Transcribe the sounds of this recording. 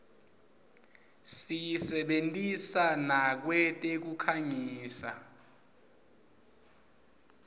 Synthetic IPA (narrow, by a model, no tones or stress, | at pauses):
sijsɛɓentʼisanak̬wɛtʼek̬ukʰaɲiːsa̰